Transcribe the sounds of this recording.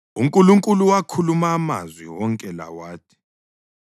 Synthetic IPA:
uŋkʼuluŋkʼuluwakʰulumaːma̰zwḭwɔŋkʼɛla̰waːtʰi̥

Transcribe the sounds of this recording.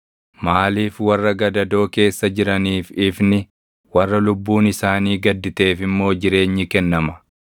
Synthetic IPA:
maːliːfwɐrːɐɡɐd̪ɐd̪o̞ːke̞ːsːɐd͡ʒɪɾɐniːfɪfnɪ | wɐrːɐlʊbːuːnɪsaːniːɡɐd̪ːɪt̪e̞ːfɪmːo̞ːd͡ʒɪɾe̞ːɲːɪkɛnːɐmɐ̥

